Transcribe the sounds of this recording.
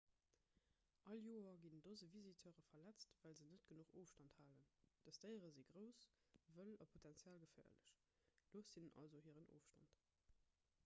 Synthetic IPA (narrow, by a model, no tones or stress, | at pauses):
ʔɑljoːɐɡindozəvizitʰəʁəfɐlæt͡stvæːlzənətɡ̥ənuχoːfʃtɑnthaːlənd̥əstəɪəʁəziːɡʁəʊs | vəlɑpʰotʰɛnt͡sjaːlɡəfæ̰ːɐlə̰ɕ | d̥oːsinʔɑ̰lzohiːəʁənʔo̰ːfʃtɑ̰nt